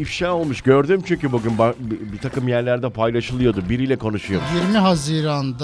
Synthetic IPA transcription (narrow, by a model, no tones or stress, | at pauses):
ifʃaːo̞lˠmuʃɟø̞ɾd̪ymt͡ʃʰyɲcʲybuɟʲynbabit̪ʰakɯmjæɾlʲæɾd̪ɛpʰajlˠaʃɯlˠɯjo̞d̪ubiɾilʲɛkʰo̞nuʃujojiɾmiɦaziːɾand̪